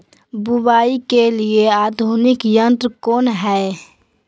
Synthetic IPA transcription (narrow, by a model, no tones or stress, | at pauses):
bubaːikelieaːd̪ʱunɪkjə̃nt̪ɾəkoːnɦɛe